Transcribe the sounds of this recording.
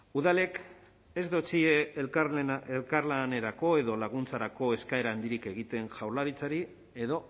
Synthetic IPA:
uðale̞k | e̞zd̪o̞t͡sie | elkaɾlane̞ɾako̞e̞ðo̞laɣ̞unt͡saɾako̞e̞skae̞ɾaːnd̪iɾike̞ɣit̪e̞nʝawlaɾit͡saɾi | e̞ðo̞

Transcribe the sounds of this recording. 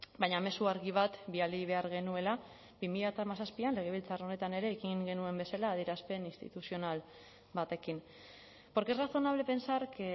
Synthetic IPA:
baɲame̞suaɾɣiβ̞at̪bialiβe̞aɾɣ̞e̞nue̞la | bimiʎat̪amasaspianle̞ɣ̞e̞β̞ilt͡sarone̞t̪ane̞ɾe̞ːɣiŋɡe̞nue̞mbe̞salaːð̞iɾaspe̞ninst̪ḭt̪usio̞nal | βat̪e̞kim | po̞ɾkeraso̞naβ̞le̞pe̞nsaɾke

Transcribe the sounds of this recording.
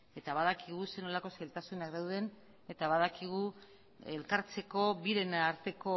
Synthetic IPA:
e̞t̪aβaðakiɣ̞use̞no̞lako̞sajlt̪asunakðawðe̞n | e̞t̪aβaðakiɣ̞u | elkaɾt͡se̞ko̞βiɾe̞nːɾt̪e̞ko̞

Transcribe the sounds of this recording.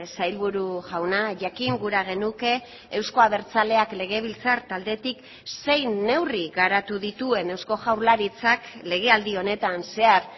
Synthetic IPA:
sajlβuɾuʝawnaʝakiŋɡuɾaɣ̞e̞nuke̞ː | wsko̞aβe̞ɾt͡sale̞akle̞ɣ̞e̞β̞ilt͡saɾt̪ald̪e̞t̪ik | se̞jne̞wriɣaɾat̪uðit̪ue̞ne̞wsko̞ʝawɾlaɾit͡sakle̞ɣ̞e̞ald̪io̞ne̞t̪anse̞aɾ

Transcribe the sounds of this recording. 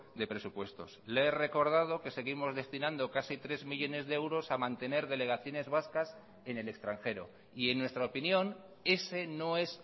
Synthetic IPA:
d̪e̞pɾe̞supwe̞st̪o̞̰sleere̞ko̞ɾð̞að̞o̞ke̞se̞ɣ̞imo̞zðe̞st̪inãnd̪o̞kasit̪ɾe̞zmiʎo̞ne̞zðeewɾo̞samãnt̪e̞ne̞ɾðe̞le̞ɣaθjo̞ne̞zβaskas | e̞ne̞le̞kst̪ɾaŋxe̞ɾo̞̰ | ie̞nːwe̞st̪ɾaopinjõ̞n | e̞se̞no̞e̞s

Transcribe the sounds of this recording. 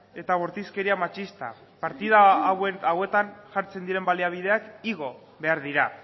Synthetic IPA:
e̞t̪aβoɾt̪iske̞ɾiamat͡ʃist̪a̰ | paɾt̪iðawawe̞t̪anʝaɾt͡se̞nd̪iɾe̞mbaliaβ̞ið̞e̞akiɣo̞ | βe̞aɾðiɾa

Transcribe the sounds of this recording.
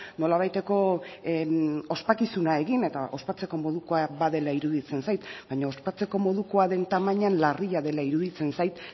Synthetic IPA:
no̞laβ̞ajt̪e̞ko̞ | o̞spakisunae̞ɣine̞t̪aʔo̞spat͡se̞ko̞mo̞ðuko̞abaðe̞laiɾuðit͡se̞nsajt̪baɲao̞spat͡se̞ko̞mo̞ðuko̞aðe̞nt̪amaɲanlariʎaðe̞laiɾuðit͡se̞nsajt̪

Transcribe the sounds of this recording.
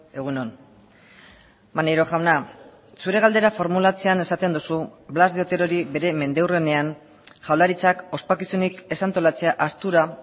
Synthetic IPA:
e̞ɣ̞unon | maneɾo̞ʝawna | suɾe̞ɣ̞ald̪e̞ɾafo̞ɾmulat͡se̞ane̞sat̪e̞nd̪usublazdeio̞t̪e̞ɾo̞ɾiβe̞ɾe̞me̞nd̪ewrene̞aŋ | ʝawlaɾit͡sako̞spakisunike̞sant̪o̞lat͡se̞aʔast̪uɾa

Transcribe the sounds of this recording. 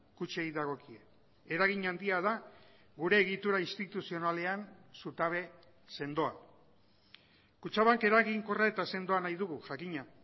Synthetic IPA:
kut͡ʃej̪d̪aɣ̞o̞kie | eɾaɣiɲand̪iaða | ɣuɾe̞ːɣit̪uɾainst̪it̪usio̞nale̞ansut̪aβ̞e̞ | se̞nd̪o̞a̰ | kut͡ʃaβaŋke̞ɾaɣiŋko̞rae̞t̪ase̞nd̪o̞anajðuɣuʝakiɲa

